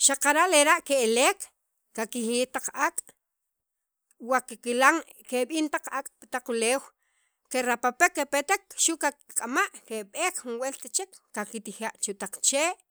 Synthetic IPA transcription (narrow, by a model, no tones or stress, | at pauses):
ʃaqaɾaʔleɾaʔkeeleːk | kakixit̪aq͡χakʼ | wakekilaŋ | keɓiːnt̪aq͡χakʼpḁt̪aq͡χuleːw | keɾapapekːepet̪ekʃuʔkakkʼamaʔkeɓeːkxunwelt̪at͡ʃekːakit̪ixaʔt͡ʃuʔt̪aq͡χt͡ʃeːʔ